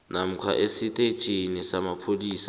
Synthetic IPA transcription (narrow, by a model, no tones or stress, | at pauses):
nam̩kʰa̰ʔesitʼe̥t͡ʃʼinisamapʰoliːsa